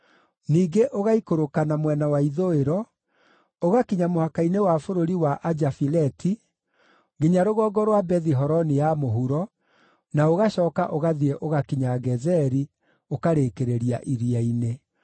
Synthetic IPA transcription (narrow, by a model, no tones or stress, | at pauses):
niːɡeʔoɣaikoɾokanamwɛnawaiðoeɾɔ | oɣakiɲamohakainewafoɾoɾiwaʔad͡ʒafilɛtʰi | ɡeɲaɾoɣɔːɡɔɾwabɛðiɦɔɾɔnijamoɦuɾɔ | naoɣaɕɔːkaʔoɣaðiɾɛʔoɣakiɲaɡɛzɛɾi | okaɾeːkeɾeɾia̰ʔiɾiaine